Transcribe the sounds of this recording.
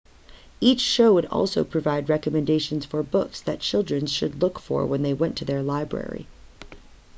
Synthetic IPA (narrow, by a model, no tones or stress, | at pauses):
it͡ʃʃoʊwəɾɔ̰lˠsoʊpʰɹ̥ɨvaɪd̚ɹɛkəmɨ̃ndeɪʃɨ̃nz̥fə˞bʊksðɨt̚t͡ʃʰɪlˠdɹɨ̃nz̥ʃɨ̰dˡlʊkfə̰ɹwə̃nðeɪwɛ̃ntʰɨðə˞laɪbɹɛ̰ɹḭ